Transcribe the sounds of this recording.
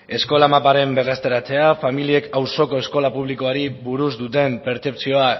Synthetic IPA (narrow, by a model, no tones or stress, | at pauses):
e̞sko̞lamapaɾe̞mbe̞rest̪e̞ɾat͡se̞afamilie̞kawso̞ko̞e̞sko̞lapuβ̞liko̞aɾiβuɾuzd̪ut̪e̞mpe̞ɾt͡se̞pt͡sio̞a